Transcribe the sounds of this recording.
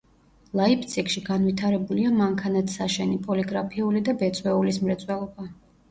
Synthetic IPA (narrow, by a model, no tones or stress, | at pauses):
lˠaipʰt̪sʰʼikʼʃiɡanvit̪ʰaɾɛbuliamaŋkʰanat̪ʰsaʃɛnipʼɔliɡɾapʰiulid̪abɛt̪sʼwɛulismɾɛt̪sʼwɛlˠɔba